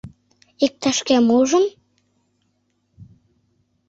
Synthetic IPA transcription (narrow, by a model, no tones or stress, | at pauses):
ik̚t̪æʃkæmuʒə̆m